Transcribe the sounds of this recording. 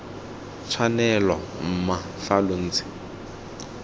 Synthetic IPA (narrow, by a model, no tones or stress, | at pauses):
t͡sʰwanɛla̰ | m̩ma | falon̩ːt͡sɪ̥